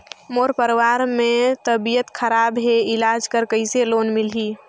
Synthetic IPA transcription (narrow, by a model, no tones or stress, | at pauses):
moːɾpəɾwaɾmet̪əbijət̪kʰəɾaːbɦeɪlad͡ʒkəɾkəɪseloːnmilɦiː